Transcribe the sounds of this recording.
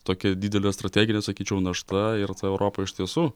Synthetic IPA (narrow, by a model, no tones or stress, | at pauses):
t̪oːkʲɛdʲiːd̪ʲɛlʲest̪ɾɐt̪ʲæːɡʲɪnʲɛsɐkʲiːt͡ʃʲɛʊnɐʃt̪ɐɪɾt̪ɐɛʊɾʔoːpɐɪʃt̪ʲiɛsuː